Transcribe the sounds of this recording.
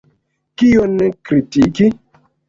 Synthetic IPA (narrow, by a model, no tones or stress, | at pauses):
kionekɾitiki